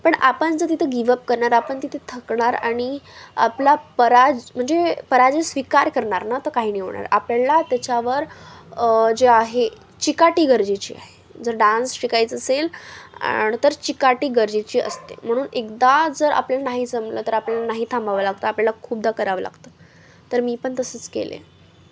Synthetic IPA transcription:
pəɳa̰pənd͡zəɾt̪̬it̪ʰəɡiʋəp̚kəɾɳaɾapəɳt̪it̪ʰet̪ʰəkɳaɾa̰ɽ̃ia̰plapəɾad͡zm̤əɳd͡zepəɾad͡ʑesʋikaɾkəɾɳaɾnat̪əkaɦiːniʋɳa̰ɾapljalat̪jat͡ɕaʋəɾ | d͡ʑeaɦe | t͡ɕikaʈiːɡəɾd͡ʑit͡ɕḭːa̰ɦed͡zəɾɖãnsɕikait͡səsela̰nit̪əɾt͡ɕikaʈiːɡəɾd͡ʑit͡ɕiːə̰st̪ḛm̤əɽ̃uːnekd̪ad͡zəɾa̰pljalanaɦit͡səmlə̰t̪əɾapljalanaɦiːt̪ʰãmbaʋəlaɡt̪əapljalakʰuːb̚d̪akəɾaʋəla̰ɡt̪ə | t̪əɾmiːpəɳt̪əsət͡skḛlḛ

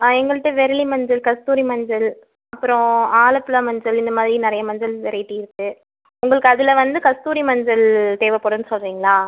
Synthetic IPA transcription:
ɛŋɡɐɭɯʈːɯʋɛɾɪlimɐɲd͡ʒɐlkɐst̪uːɾimɐɲd͡ʒɐl | ɐpːɯɾɔ̃aːlɐpːɯlaːmɐɲd͡ʒɐlɪnd̪ɐmaːðɪɾinɪɾɐjɐmɐɲd͡ʒɐlʋɪɾɐʈːɯɪɾɯkːɯ | ʊŋɡɐɭɯkːɯɐðɯlɐʋɐnd̪ɯkɐst̪uːɾimɐɲd͡ʒɐlt̪eːʋɐpːoːɽɐnːɯsɔlriːŋɡɐɭaː

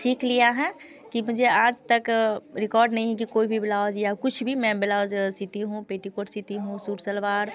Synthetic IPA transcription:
siːkʰlijaɦɛ̃ | kimʊd͡ʒʱeaːd͡ʒt̪əkɾɪkɔːɾɖnɐɦĩɦɛ̃k̬ikoːibʱibɪlaːod͡ʒjakʊt͡ʃʰbʱimɛ̃bɪlaod͡ʒsit̪iɦũpeːʈikoʈsit̪iɦũsuːɾsəlʋaːɾ

